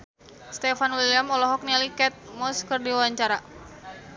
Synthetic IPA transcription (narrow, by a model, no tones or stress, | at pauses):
st̪ɛfanwiliamɔlɔɦɔk̚nalikɛt̪̚mɔskərdiwawaɲt͡ʃaɾa